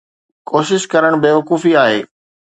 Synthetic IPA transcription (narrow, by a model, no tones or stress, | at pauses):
koːʃɪʃkɐɾəɽ̃beːʋɐkuːfiaːɦḛː